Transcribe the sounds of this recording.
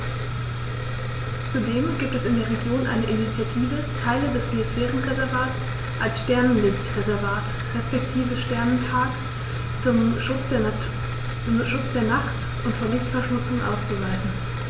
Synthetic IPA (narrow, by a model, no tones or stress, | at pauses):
t͡sudeːmɡiːp̚tɛsɪndeːɐʁ̞eɡjoːnʔa̰ɪnəʔɪnit͡sjatʰiːvətʰaɪlədɛspʰeɪsfɛːʁənʁezɛɐvaːtt͡s | ʔalsʃtɛɐnənlɪçtʁezɛɐvaːt | ʁɛspɛktʰiːvəʃtɛɐnənpʰaːk | t͡sʊmʃʊt͡s | t͡sʊmʃʊt͡sd̥eːɐnaχt | ʔʊntfuːɐlɪçtfɛɐʃmʊt͡sʊŋʔa̰ʊst͡suvaɪzn̩